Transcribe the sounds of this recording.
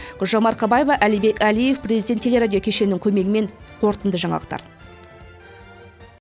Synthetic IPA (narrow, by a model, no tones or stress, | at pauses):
ɡ̥ʊlʒomɑɾqʰɑbɑjevɑʔælijbe̞kʲælije̞fprʲezijd̪ʲet̪ːʰee̞ɾad̪ʲijo̞kʲʰe̞ʃe̞nɪŋkʲʰɵme̞ɡʲɪme̞ɴ | qʰo̞ɾt̪ənd̪əʒɑɴɑ̰əq̚t̪ɑ̰ɾ